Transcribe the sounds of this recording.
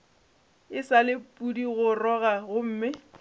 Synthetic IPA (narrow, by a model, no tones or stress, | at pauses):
ɪsalɪpʼudiɣʊrɔɣaɣʊm̩ːmɪ